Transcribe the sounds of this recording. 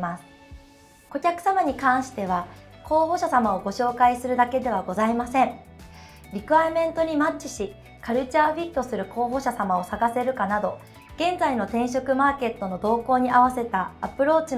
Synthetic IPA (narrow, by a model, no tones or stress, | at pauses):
masɨ̥ | o̞kʲakɯ̟̥samaɲ̟ikãɰ̃ɕi̥t̪e̞βako̞ːɦo̞ːɕasamao̞ɡo̞ɕo̞ːkaisɨɾɯ̟d̪ake̞d̪e̞β̞aɡo̞zaimasẽ̞ɴ | ɾʲikɯ̟aamẽ̞nt̪o̞ɲ̟imat͡ɕt͡ɕːi̥ɕi | kaɾɯ̟t͡ɕaːɸʲit̪ːo̞sɨɾɯ̟ko̞ːɦo̞ɕasamao̞saɡase̞ɾɯ̟kanad̪o̞ | ɡ̥ẽ̞nd͡zaino̞t̪ẽ̞ɰ̃ɕ̬o̞kɯ̟maːke̞t̪ːo̞no̞d̪o̞ːko̞ːɲ̟iʔaβ̞ase̞t̪aːpɯ̟ɾo̞ːt͡ɕi